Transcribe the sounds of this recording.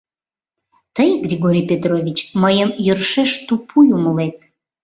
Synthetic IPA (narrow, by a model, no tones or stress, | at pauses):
t̪əjɡrʲiɣoɾʲipʲet̪rovʲit͡ɕməjəmjərʃeʃt̪upʰujuməlet̪̚